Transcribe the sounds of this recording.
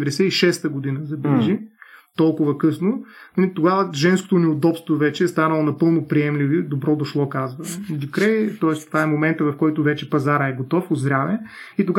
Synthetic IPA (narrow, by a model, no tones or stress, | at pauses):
vɛd̪ɛsɛiʃɛst̪əɡod̪inəzɐbɛlɛʒit̪ɔlˠkʊvɐkɤsnonɐlit̪oɡavəʒɛnsko̥t̪onɛod̪ɔpst̪vovɛt͡ʃɛːst̪anɐlˠonɐpɤlˠnopɾiɛmlivid̪obɾɔd̪oʃlˠɔkazvəd̪ukɾɛjt̪ɔɛst̪ovaɛmomɛnt̪əvɐfkɔjt̪ʊvɛt͡ʃɛpɐzaɾəɛɡot̪ɔfod̪zɾʲavɛ | it̪oɡ